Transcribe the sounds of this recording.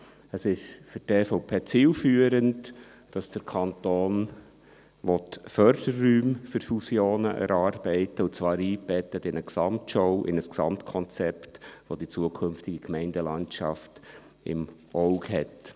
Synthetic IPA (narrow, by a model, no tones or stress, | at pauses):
əsɪʃfʏteːfoʊpʰeːt͡siːlfyːəɾənt | d̥ɑsd̥əɾkʰɑntoːn | ʋɔtfœɾd̥ərːyːmfʏɾfusjoːnəʔɛ̰ɾɑːɾb̥ɛɪtəʊt͡svɑːɾiːb̥ɛtətɪnəksɑmtʃɔʊʔɪ̰nəsksɑ̰mtkʰɔnt͡sɛptʋod̥it͡suəkʰʏnftɪɡikmɛɪndəlɑntʃɑ̰ft | ɪ̰mʔoʊɡɦɛt